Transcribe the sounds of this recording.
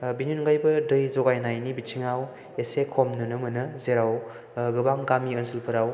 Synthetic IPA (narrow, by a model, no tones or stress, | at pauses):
binjunɡajbɐdɯjzɔɡajnajnibit͡ʃʰiŋaw | esekʰɔmnɯnɯmɯnɯzeɾaw | ɡɯbaŋɡamiɯnsilpʰɯɾaw